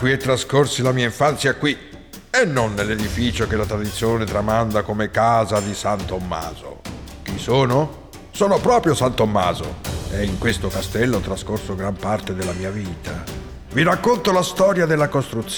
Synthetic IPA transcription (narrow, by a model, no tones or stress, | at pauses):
kwiɛt̪ːɾaskorsilamiːaiɱfant̪sjakwi | enːonːelːed̪ifiːt͡ʃokelat̪ɾad̪it̪sːjoːnet̪ɾamand̪akomekaːzad̪isant̪omːa̰ːzo̰kisoːno | soːnopɾɔːpɾjosant̪omːa̰ːzo̰eiŋkwest̪okast̪ɛlːot̪ɾaskorsoɡɾampart̪ed̪elːamiːaviːt̪ʰa | virakːont̪olast̪ɔːɾjad̪elːakost̪ɾut̪s